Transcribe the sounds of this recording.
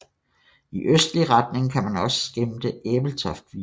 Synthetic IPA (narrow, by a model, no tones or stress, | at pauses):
iʔøsd̥liʁɑd̥ne̝ŋkʰæmænɒ̽sə̥sɡ̥emd̥əeb̥l̩t͡sʰɒ̽fd̥ʋi